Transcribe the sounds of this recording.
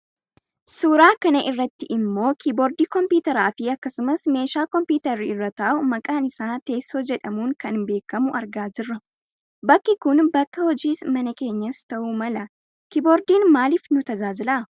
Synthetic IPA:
suːɾaːkɐnɐʔɪrːɐt̪ːɪʔɪmːo̞ːkibɔɾd̪iːkɔmpjiːt̪ɐɾaːfɪɐkːɐsʊmɐsme̞ːʃaːkɔmpuːt̪ɐɾːiɪrːɐt̪ɐʔʊmɐkʼaːnɪsaːt̪e̞ːsːo̞ːd͡ʒɛᶑɐmuːŋkɐnbe̞ːkːɐmʊʔɐɾɡaːd͡ʒɪrːɐ | bɐkːɪkʊnbɐkːɐhɔd͡ʒiːsmɐnɐke̞ːɲːɐst̪ɐʔuːmɐlɐ | kibɔːɾd̪iːnmaːliːfnʊt̪ɐzaːzɪlaː

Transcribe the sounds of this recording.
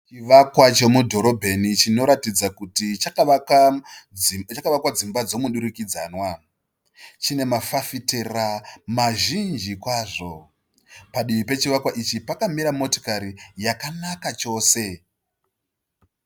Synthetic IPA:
t͡ʃiʋakwat͡ʃo̞mudʱo̞ɾo̞bʱe̞nit͡ʃino̞ɾatid͡zakutit͡ʃakaʋaka | t͡ʃakaʋakwad͡zimbad͡zo̞muɗuɾukid͡zaːnwa | t͡ʃine̞mafafiteramaʒind͡ʒikwaːʐo̞ | paɗimipe̞t͡ʃiʋakwaʔit͡ʃipakamiɾamo̞to̥kaɾijakanakat͡ʃo̞ːse̞

